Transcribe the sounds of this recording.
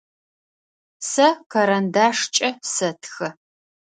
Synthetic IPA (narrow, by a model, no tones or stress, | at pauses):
sɐkʰɐɾɐndaːʂt͡ʃʼɐsɐtʰxɐ